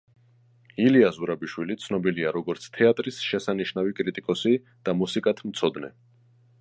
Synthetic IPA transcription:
iliazuɾabiʃwilit̪sʰnɔbiliaɾɔɡɔɾt̪sʰt̪ʰɛat̪ʼɾisʃɛsaniʃnavikʼɾit̪ʼikʼɔsi | d̪̥amusikʼat̪ʰmt̪sʰɔd̪nɛ̰

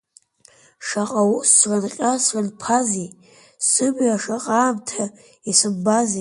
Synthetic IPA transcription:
ʂaqʼawusrʷanqʲʼasranpʰazi | sɨbaʂaqʼaːmtʰa | isɨbazi

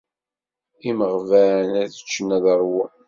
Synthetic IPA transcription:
iməʁvænæðə̥t͡ʃːənæðəɾˤwu

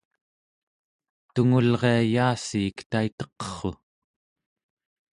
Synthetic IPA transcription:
t̪uŋulʁe̞ajaːsiːkt̪ait̪ʌ̥qʌ̥χo̰

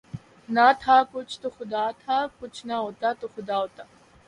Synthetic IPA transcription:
nat̪ʰaːkʊt͡ʃʰt̪uxʊd̪aːt̪ʰaːkʊt͡ʃʰnaɦot̪at̪uxud̪aːɦot̪a

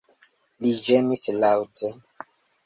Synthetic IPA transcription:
lid͡ʒemislawtʰe

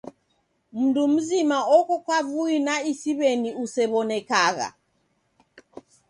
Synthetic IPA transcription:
m̩ndum̩zimaɔkɔkwavuinaisiβɛniusɛβɔnɛkaɣa̰

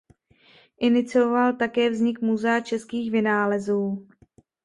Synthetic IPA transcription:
ʔɪnɪt͡sɪovalt̪akɛːvzɲɪkmuzɛat͡ʃɛskiːxvɪnaːlɛzuː

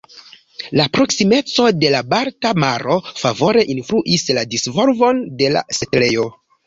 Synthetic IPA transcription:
lapɾo̞ksime̞t͡so̞de̞labaɾtamaɾo̞favo̞ɾe̞ʔinfluʔisladisvo̞lvo̞nde̞la̰setle̞jo̞

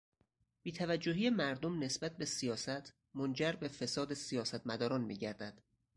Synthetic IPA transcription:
b̥iːt̪ʰævæd͡ʒːoɦiːemæɾd̪omne̞sbæt̪̚be̞sijɒːsæt̪ʰ | mond͡ʒæɾbe̞fe̞sɒːd̪esijɒːsæt̪ʰmæd̪ɒːɾɒːnmḭːɟæɾd̪æd̪̥

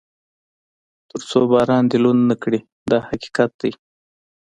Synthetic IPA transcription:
t̪əɾt͡sobɑɾɑnd̪elunːakɽi | d̪ɑhaki̥qat̪̚d̪aj

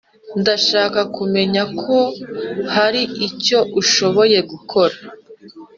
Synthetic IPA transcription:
ndaʃaːkakume̞ɲakʰo̞haɾiʔico̞ʔuʃo̞βo̞je̞ɡukʰo̞ɾa

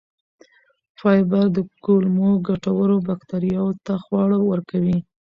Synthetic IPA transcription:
fɑjbaɾd̪əkolmoɡaʈawəɾobakt̪aɾijɑwot̪axwɑɽawəɾkawi

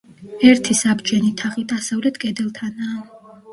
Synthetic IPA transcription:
ɛɾt̪ʰisabd͡ʒʼɛnit̪ʰaχid̪asavlɛt̪ʰkʼɛd̪ɛlˠt̪ʰanaː

